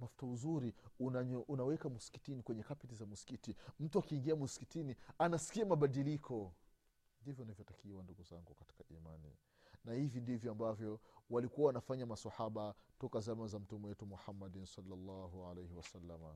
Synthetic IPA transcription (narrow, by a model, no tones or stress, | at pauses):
mafu̥tauzuɾiunaɲʔunawɛkamusi̥ki̥tinikwɛɲɛkapɛtizamusi̥kitim̩tuakiːŋɡiamusi̥kitinianasi̥kiamaɓaɗilikʰɔ | ndivjɔnavjɔtakiwanduɡuzaŋɡukati̥kaʔimanḭ | nahivindivjɔambavjɔwalikuwawanafaɲamasahaɓatɔkazamazam̩tumɛwɛtumuhamːaɗinsalːalːaɦualejhiwasalːama̰